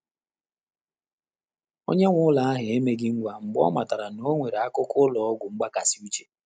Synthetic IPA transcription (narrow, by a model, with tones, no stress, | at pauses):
o̰˦ɲe˦ŋʷʊ˦ʊ˦la˨a˦ɦɪ˨e˦me˦ɡɪ˦ŋ̩˦ɡʷa˨ŋ͡m̩˨ɡ͡bɔ̰˦ma˨ta˨ɾa˨no˦ŋʷe˨ɾe˨a˦kʊ˦kʊ˦lɔ˨ɔ˦ɡʷʊ˨ŋ͡m̩˦ɡ͡ba˦ka˨si˦u˦t͡ʃe̥˨